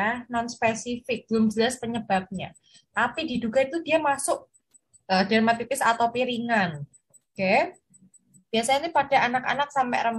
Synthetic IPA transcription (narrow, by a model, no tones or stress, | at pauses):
nɔnspesifɪk̚d̪̥əlʊmd͡ʒəlaspəɲəb̥ap̚ɲa̰ | t̪apididuɡ̥ait̪udiamasʊʔ̚ | ʔəd̥aɾmat̪ipɪsa̰t̪awpiɾiŋan | kɛ | b̥iasaɲanipad̥a̤anaka̰nak̚sampɛ̰ʔrəm